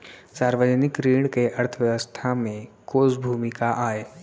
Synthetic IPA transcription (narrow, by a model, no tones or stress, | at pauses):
saːɾʋəd͡ʒnɪkɾiːɽ̃keʔɐɾt̪ʰəʋjəʋəst̪ʰamẽkoːsbʱuːmɪkaʔaːeː